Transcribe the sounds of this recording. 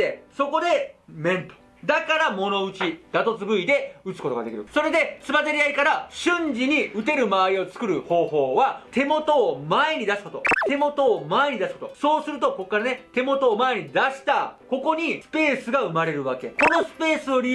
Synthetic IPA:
eso̞ko̞d̪e̞mẽ̞nt̪o̥ | d̪akaɾamo̞no̞ɯ̟t͡ɕid̪̥at̪o̞t͡sɨbɯ̟id̪e̞ɯ̟t͡sɨ̥ko̞t̪oɡad̪e̞kʲiɾɯ̟̰so̞ɾe̞d̪e̞t͡sɨbazeɾʲiaikaɾaɕɨ̃ɲd͡ʑiɲ̟iɯ̟t̪e̞ɾɯ̟maːɾʲio̞t͡sɨ̥kɯ̟ɾɯ̟ho̞ːho̞ːβat̪e̞mo̞t̪o̞ːmae̞ɲ̟id̪asɨ̥kot̪o̞t̪e̞mo̞t̪o̞ːmae̞ɲ̟id̪asɨ̥ko̞t̪o̞so̞ːsɨɾɯ̟t̪o̞ko̞kːaɾane̞t̪e̞mo̞t̪o̞ːmae̞ɲ̟id̪aɕi̥t̪ako̞ko̞ɲ̟isɨ̥pe̞ːsɨɡaɯ̟maɾe̞ɾɯ̟βake̞̰ko̞no̞sɨ̥pe̞ːsɨo̞ɾʲi

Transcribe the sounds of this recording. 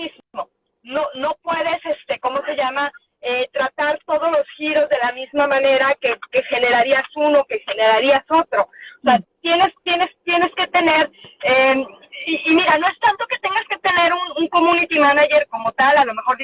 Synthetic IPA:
iz | o̞ | no̞no̞pwe̞ðe̞se̞st̪e̞ko̞mose̞ʝama | et̪ɾat̪aɾt̪o̞ð̞o̞zlo̞sxiɾo̞zðe̞lamizmamãne̞ɾake̞ke̞xe̞ne̞ɾaɾiasunoke̞xe̞ne̞ɾaɾiaso̞t̪ɾo̞oseat̪je̞ne̞st̪je̞ne̞st̪je̞ne̞ske̞t̪e̞ne̞ɾeiːmiɾano̞e̞st̪ant̪o̞ke̞t̪e̞ŋɡaske̞t̪e̞ne̞ɾunuŋko̞mũnit̪imanaʝe̞ɾko̞mo̞t̪alalo̞me̞xo̞ɾ

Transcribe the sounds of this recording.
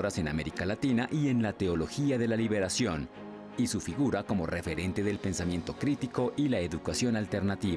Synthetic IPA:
ɾase̞na̰me̞ɾikalat̪inaʔie̞nlat̪e̞o̞lo̞xiaðe̞laliβe̞ɾasjo̞n | isufiɣuɾako̞mo̞̰re̞fe̞ɾe̞nt̪e̞ðe̞lpe̞nsamje̞nt̪o̞kɾit̪iko̞ʔilaeðukasjo̞nalt̪e̞ɾnat̪iβa

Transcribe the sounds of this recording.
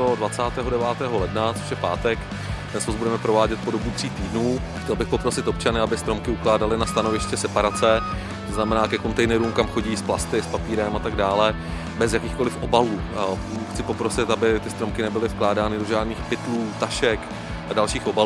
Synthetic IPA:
odvat͡saːt̪ɛːɦodɛvaːt̪ɛːɦo̞lɛdnat͡soʃjɛpaːt̪ɛk | t̪ɛnsozbudɛmɛpɾo̞vaːɟɛt̪̚po̞dobut̪r̝̥iːt̪iːdnuː | xcɛlbɪxpopɾo̞sɪt̪o̞pt͡ʃanɪabɪst̪ɾo̞mkɪuklaːdalɪnast̪ano̞vɪʃcɛsɛpaɾat͡sɛ | t̪oznamɛnaːkɛko̞nt̪ɛjnɛɾuːmkamxo̞ɟiːsplast̪ɪspapiːɾɛmat̪aɡdaːlɛ | bɛzjakiːxko̞lɪfʔo̞baluː | xt͡sɪpo̞pɾo̞sɪt̪abɪt̪ɪst̪ɾomkɪnɛbɪlɪfklaːdaːnɪdo̞ʒaːdniːxpɪt̪luːt̪aʃɛk | ʔadalʃiːxʔo̞ba

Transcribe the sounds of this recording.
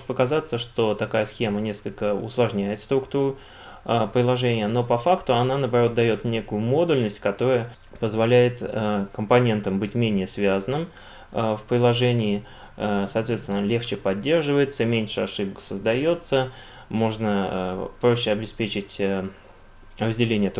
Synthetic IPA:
t̪pəkɐzat̪səʂt̪o̞t̪ɐkajəsxʲe̞mənʲe̞skəlʲkəʊ̰slˠɐʐnʲæjɪt̪st̪ɾʊkt̪uɾʊ | əpɾʲɪlˠɐʐɛnʲɪjəno̞pɐfakt̪ʊɐnanəːbɐɾo̞t̪̚d̪ɐjo̞t̪nʲe̞kʊjʊmo̞d̪ʊlʲnəsʲtʲkɐt̪o̞ɾəjə | pəzvɐlʲæjɪt̪kəmpɐnʲe̞nt̪əmbɨtʲmʲenʲɪjəsvʲazənɨm | fpɾʲɪlˠɐʐɛnʲɪː | sɐːt̪vʲesʲɪnəlʲe̞xt͡ɕɪpɐdʲːe̞rʐɨvəjɪt̪səmʲenʲʂɨɐʂɨbəksəzd̪ɐjo̞t̪sə | mo̞ʐnəpɾo̞ɕːɪɐbʲɪspʲet͡ɕɪtʲə | rəzʲdʲɪlʲenʲɪjət̪

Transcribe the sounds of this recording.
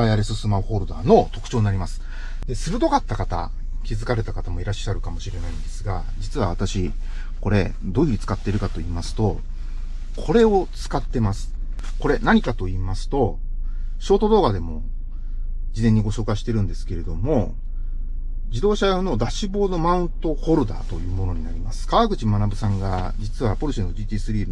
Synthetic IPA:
ajaɾesɨsɨmaho̞ːɾɯ̟d̪a̰ːno̞t̪o̞kɯ̟̥t͡ɕo̞ːɲʲinaɾʲimasɨ̥ | d̪e̞sɨɾɯ̟t̪o̞kat̪ːakat̪a̰ | kʲizɨkaɾe̞t̪akat̪amo̞iɾaɕːaɾɯ̟kamo̞ɕiɾe̞naĩnd̪e̞sɨɡa̰ | d͡ʑit͡sɨβa̰β̞at̪aɕi | ko̞ɾe̞ | d̪o̞ːiɾit͡sɨ̥kat̪ːeɾɯ̟kat̪o̞iːmasɨ̥t̪o̞ | kʰo̞ɾe̞o̞t͡sɨ̥kat̪ːe̞masɨ̥ | ko̞ɾe̞naɲ̟ikat̪o̞iːmasɨ̥t̪o̞ | ɕo̞ːt̪o̞d̪o̞ːɡad̪e̞mo̞ | d͡ʑizẽ̞ɲ̟ːiɡo̞ɕo̞ːkaɕi̥t̪e̞ɾɯ̟̃nd̪e̞sɨ̥ke̞ɾe̞d̪o̞mo̞ | d͡ʑid̪o̞ːɕajono̞d̪aɕibo̞ːno̞mãɯ̟̃nt̪o̞ho̞ɾɯ̟d̪a̰ːt̪o̞jɯ̟ːmo̞no̞ɲ̟inaɾʲimasɨ̥kaβaɡɯ̟t͡ɕimanabɯ̟sãŋɡa | d͡ʑit͡sɨβapo̞ɾɯɕenːod̪ʲiːt̪ʲiːsɨɾʲiːn

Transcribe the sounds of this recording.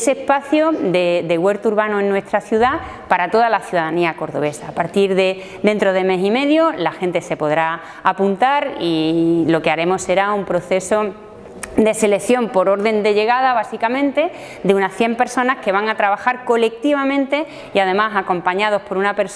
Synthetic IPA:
seːhpaθjod̪ed̪eɣwe̞ɾt̪uɾβanue̞nːwe̞st̪ɾaθjuða | paɾat̪o̞ðalaθjuðaðaniako̞ɾðo̞̰βe̞saːpaɾt̪iɾðe̞ | d̪e̞nt̪ɾo̞ð̞eme̞sime̞ðjolaxe̞nt̪e̞se̞po̞ðɾa | apunt̪aɾilo̞ke̞aɾe̞mo̞sːe̞ɾaumpɾo̞θe̞so̞ | d̪e̞se̞le̞kθjo̞mpo̞ɾo̞ɾðe̞nd̪e̞ʎe̞ɣ̞aðaβ̞asikamẽnt̪e̞ | d̪eunaθje̞mpe̞ɾso̞naske̞β̞aŋat̪ɾaβaxaɾko̞le̞k̚t̪iβamẽ̞nt̪e̞ | iaðe̞masako̞mpaɲað̞o̞hpo̞ɾunape̞ɾs

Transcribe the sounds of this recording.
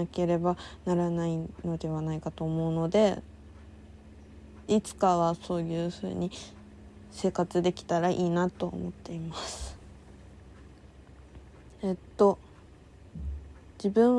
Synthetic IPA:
ake̞ɾe̞banaɾanaino̞d̪e̞β̞anaikat̪o̞ːmo̞ɯ̟no̞d̪e̞ | it͡sɨ̥kaβaso̞ːjɯ̟ːɸɯ̟̰ːɲ̟i | se̞ːkat͡sɨd̪e̞kʲi̥t̪aɾaʔiːnat̪o̞̰ːmo̞t̪ːe̞imasɨ̥ | et̪ːo̞ | d͡ʑibɯ̟̃ɰ̃

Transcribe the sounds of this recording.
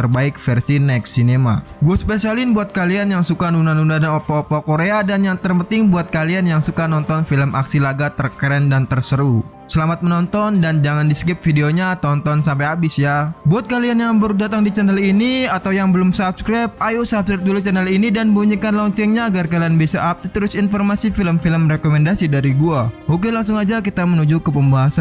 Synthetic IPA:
ərbaɪk̚fɛrsinɛk̚sinema̰ɡuaspesialɪnbuat̪̚kalianjaŋsukanunanundadanopaopakoɾeadanjaŋt̪ərpənt̪ɪŋbuat̪̚kalianjaŋsukanɔnt̪ɔnfiləmʔa̰ksilaɡat̪ərkɾɛndant̪ərsəɾu | səlamat̪̚mənɔnt̪ɔndand͡ʒaŋandisəkɪp̚fideoɲat̪ɔnt̪ɔnsampajabɪsjabuat̪̚kalianjaŋbərudat̪aŋdit͡ʃanɛliniat̪awjaŋbəlʊmsap̚skɾap̚ajusapskɾɛp̚dulut͡ʃanɛlinidanbuɲikanlɔɲt͡ʃɛŋɲaːɡarkalianbiasaʔap̚t̪it̪əɾʊsinfɔrmasifiləmfiləmrekomɛndasidaɾiɡuahuk̬ɪlaŋs̬ʊŋad͡ʒak̬it̪amənud͡ʒukəpəmbaɦasan

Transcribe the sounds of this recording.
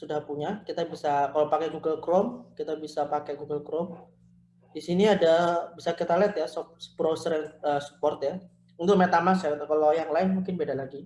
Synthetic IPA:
sudahpuɲakit̪abisakalapakɛɡuɡəlkɾɔmkit̪abisapakɛɡuɡəlkɾɔm | disiniadabisakit̪alɛt̪jasɔpspɾosɾɛnt̪̚əsu̥pɔrt̪ja | unt̪ʊk̚met̪amasakit̪akalojaŋlaɪnmuŋkɪnbedalaɡi

